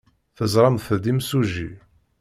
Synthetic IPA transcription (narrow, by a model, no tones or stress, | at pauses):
θəzˤɾˤɑmθəd̪imsuʒi